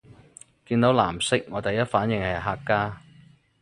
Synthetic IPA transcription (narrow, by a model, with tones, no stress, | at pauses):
kiː˧nt̪o˨˥wlaː˨˩msɪ˥k̚ŋɔː˨˧˥t̪ɐ˨˩jɐ˥t̚faː˨˥njɪ˨˩ŋhɐ˨˩jɦaː˧kːaː˥